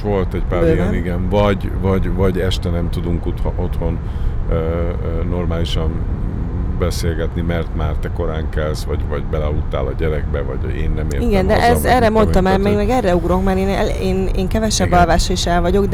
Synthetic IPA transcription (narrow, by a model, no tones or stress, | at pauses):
ʋo̞lt̪ɛɟpaːɾiɡɛiɡɛnvɒɟvɒɟvɒɟɛʃt̪ɛnɛmt̪ud̪uŋkut̪hot̪ho̞n | ø | nːo̞rmaːliʃɒn | bɛseːlɡɛt̪nimɛrt̪maːrt̪ɛko̞ɾaːŋkɛlsʋɒɟvɒɟbɛlɛɒlut̪ːa̰ːlɒɟɛɾɛɡ̚bɛvɒ̰ɟ | ḛːnːɛmḛːriɡɛndd̪ɛʔɛɛrɛmo̞nɒmaːmɛɡmɛɡɛrɛuɡrɾo̞kmaɾeːneːneːŋkɛvɛʃɛbːɒlvaːʃeʃɛlvɒɟo̞ɡd̪